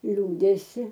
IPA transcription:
ˈlʲuːdʲɛsʲɪ

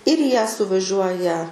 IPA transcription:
ɪr iː jæː sʊʋɐˈʒʲuɔjɛ

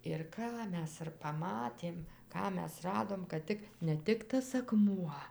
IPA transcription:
ɪr ˈkɑː ˈmʲɛs ɪr pɐˈmɑːtʲeːm ˈkɑː ˈmʲɛs ˈrɑːdoːm kɐt ˈtʲɪk nʲɛ ˈtʲɪk tɐs ɐˈkmuɔ

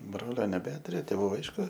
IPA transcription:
ˈbroːlʲoː nʲɛˈbʲæːtʊrʲʊ tʲeːˈʋuː ˈɐɪʃkʊ

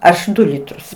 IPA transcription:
ˈɐʃ ˈdʊ ˈlʲɪtrʊs

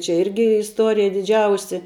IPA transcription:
t͡ʃʲɛ ˈɪrʲɡʲɪ ɪsˈtoːrʲɪjɛ dʲɪˈd͡ʒʲɛʊsʲɪ

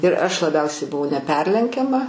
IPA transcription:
ɪr ˈɐʃ lˠɐˈbʲɛʊsʲɛɪ bʊˈʋɐʊ nʲɛˈpʲɛrʲlʲɛŋʲkʲɛmɐ

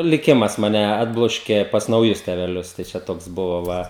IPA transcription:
lʲɪˈkʲɪmɐs ˈmɑːnʲɛ ˈɑːdblˠoːʃʲkʲeː pɐs nɐʊˈjʊs tʲɛʋʲɛˈlʲʊs tɐɪ ˈt͡ʃʲɛ ˈtoːks ˈbʊʋoː ˈʋɐ

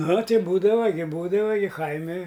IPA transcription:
ˈnʊ ˈtʲɪ ˈbuːdɐʋɐ ɡʲɪ ˈbuːdɐʋɐ ɡʲɪ ˈkɐɪmʲɪ

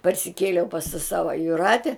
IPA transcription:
pɐrʲsʲɪˈkʲeːlʲɛʊ pɐs tɐ ˈsɑːʋɐ jʊˈrɑːtʲɛ

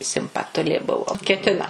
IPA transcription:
sʲɪmpɐˈtʊlʲeː ˈbʊʋoː kʲɛˈtʲɪnɐ

